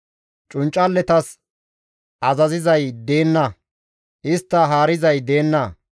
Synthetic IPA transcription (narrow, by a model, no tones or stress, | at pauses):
t͡ʃʼʊnt͡ʃʼːɐlːɛt̪ɐs | ʔɐzɐzɪzɐjd̪e̞ːnːɐ | ʔɪst̪ːɐɦaːɾɪzɐjd̪e̞ːnːɐ